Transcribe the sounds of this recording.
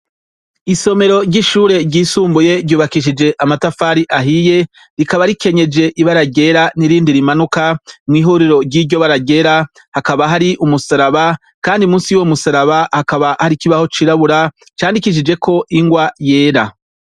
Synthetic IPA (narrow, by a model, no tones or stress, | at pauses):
iso̞me̞ɾo̞ɾɟiʃuːɾe̞ɟiːsuːmbuje̞ɾɟuːβakiʃ̬id͡ʒe̞ʔamatafaːɾiʔaɦije̞ | ɾikaβaɾike̞ɲe̞d͡ʒe̞ʔiβaɾaɟe̞ːɾaniɾiːndiɾimanukamŋiːɦuɾiɾo̞ɾɟiːɟo̞βaɾaɟe̞ɾa | hakaβaɦaɾiʔumusaɾaβa | kaːndiumuːnsiwomusaɾaβahakaβahaɾikiβaho̞t͡ʃiɾaβuɾa | t͡ʃaːndikiʃ̬id͡ʒe̞kʰo̞ʔiŋɡwaje̞ːɾa